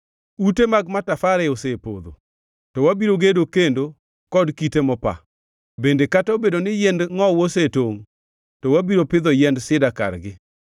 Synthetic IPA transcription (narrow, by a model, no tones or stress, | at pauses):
utemaɡmatafaɾɛosepo̰d̪o̰ | tɔwabiɾoɡedokendo | kɔdkitemɔpa̰ | bendekataobedonɪjɛndŋɔwosetoŋ | tɔwabiɾopɪd̪ɔjɛndsɪdaka̰rɡɪ